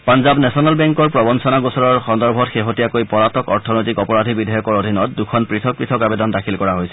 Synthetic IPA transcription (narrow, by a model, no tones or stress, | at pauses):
panzabnɛsɔnalbɛŋkɔɹpɹɔbɔnsɔnaɡusɔɹɔɹxɔndɔɹbʱɔtxeɦotijakojpɔɹatɔkɔɹtʰɔnojtikɔpɔɹadʱibidʱajɔkɔɹodʱinɔt̚dukʰɔnpɹitʰɔk̚pɹitʰɔkabedɔndakʰilkɔɹaɦojsɛ